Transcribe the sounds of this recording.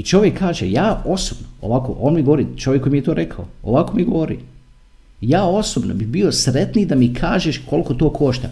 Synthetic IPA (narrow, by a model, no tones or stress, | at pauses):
it͡ʃo̞ʋjekːaːʒḛjaːo̞sobnoo̰ʋako̰ʔoːnmiɡooɾit͡ʃoʋjekːoimijet̪o̞ːɾʔe̞kʰaooʋakomiɡoʋoɾḭ | jaːo̞sobnobibiosɾet̪nid̪amikʰaːʒeʃko̞lˠko̞t̪o̞ːkʰo̞ʃt̪a̰